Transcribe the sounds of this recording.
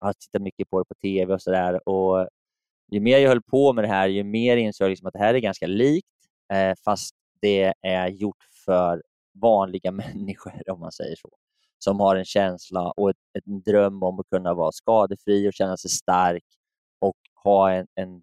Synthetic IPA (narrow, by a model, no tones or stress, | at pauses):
hat̪ʰɪ̥t̪ːat̪mʏkːəpʰɔd̪ɛpʰɔt̪ʰeːvɛɔsɔd̪æːɾɔ | jɵmeːɾjɪhœlːpʰɔmɛd̪ɛɦæːɾjɵmeːɾɪnsojalɪksɔmat̪̚d̪ɛɦæːɾæɾɡanskaliːkt̪ | fast̪ | d̪̥ɛæɾjʊʈːfœɾ | vɑːnlɪɡamɛnːɪɧəɾɔmːa̰nsɛ̰jːə̰ʂo̰ː | sɔmhaɾɛnɕɛnslaʔɔɛt̪ɛd̪ɾœmːɔmːɔkʰɵnːavɑ̰ːɾskɑːd̪əfɾiːɔɕɛnːasɛjst̪aɾk | ɔk | hɑːɛnɛn